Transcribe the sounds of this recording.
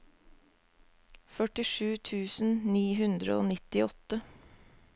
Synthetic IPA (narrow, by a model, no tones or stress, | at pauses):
fœʈɪʃʉːt̪ʰʉːsn̩niːhʉnd̪ɾə̰o̰ːnɪt̪ɪɔt̪ə